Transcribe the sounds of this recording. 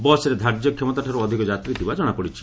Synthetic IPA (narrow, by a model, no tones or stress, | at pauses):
bɔsɾed̪ʱaɾd͡ʒjɔkʰjemɔt̪aʈʰaɾuɔd̪ʱikɔd͡ʒat̪ɾid̪ibad͡ʒɔɽ̃apɔɽit͡ʃʰi̥